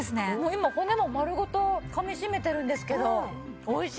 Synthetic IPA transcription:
esɨne̞moːimakonemo̞maɾɯ̟ɡo̞t̪o̞kamʲiɕime̞t̪e̞ɾɯ̟̃nd̪esɨ̥ke̞d̪o̞ː | iɕ

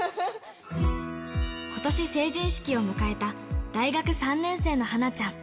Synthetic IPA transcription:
ko̞t̪o̞ɕise̞ːʑĩɰ̃ɕi̥kʲio̞mɯ̟kae̞t̪ad̪̥aiɡakɯ̟sãnːẽ̞ɰ̃se̞ːno̞hanat͡ɕãŋ

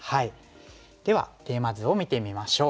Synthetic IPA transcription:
hai | d̪̥e̞βa̰t̪e̞ːmazɨo̞mʲit̪e̞mʲimaɕo̞ː

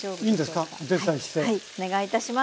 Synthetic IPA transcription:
oĩːnd̪esɨ̥kad̪et̪aiɕi̥t̪eione̞ɡait̪aɕima

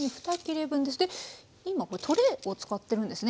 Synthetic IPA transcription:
ɲiɸɯ̟̥t̪akʲeɾe̞bɯ̟̃nd̪e̞sɨd̪e̞ | imako̞ɾet̪ʰo̞ɾe̞ot͡sɨ̥kat̪ːe̞ɾɯ̃nd̪e̞sɨn

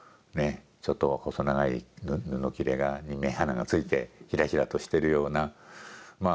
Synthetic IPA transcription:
ne̞ | t͡ɕo̞t̪ːo̞ako̞so̞naɡaḭnnɯno̞kʲiɾe̞ɡaɲimːẽ̞ɦanaɡat͡sɨit̪e̞çiɾaçiɾat̪o̞ɕi̥t̪e̞ɾɯ̟jo̞ːna | maː

